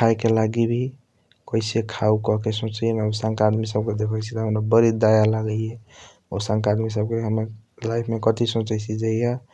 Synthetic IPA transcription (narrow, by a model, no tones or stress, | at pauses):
kʰajkelaɡibʱi | kəɪsekʰaukɔɦkesõt͡ʃjemeusãŋkad̪misəb̚ked̪ekʰəjt͡ʃʰit̪ɔɦəmɾabəɾid̪ajalaɡəje | osãŋkaːd̪mis̬əb̚keɦəme | lajpʰmekət̪isõt͡ʃəjsʰid͡ʒaija